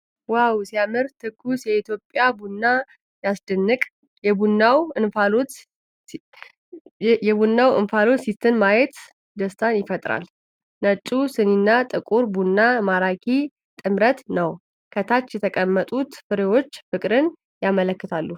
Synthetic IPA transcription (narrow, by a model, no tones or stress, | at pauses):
wawsijamɨɾt̪ʰɨkːusjɛit̪ʰjo̞pʼːjabunːa | jasd̪ɨnːɨkʼ | jɛbunːawɨnfalo | jɛbunːawɨ̰nfalo̞t͡ʃsist̪ʰɨnmajɛt̪ | d̪əst̪ʰanjɪfət̪ʼɾa̰l | nət͡ʃʼusɨninːat̪ʼɨkʼuɾbunːamaɾakʰi | t̪ʼɨmɾət̪nəw | kʰət̪ʰat͡ʃːjɛt̪ʰəkʼəmːət̪ʼut̪fɨɾewo̞t͡ʃːfɨkʼɾɨn | jamələkːɨt̪ʰalːu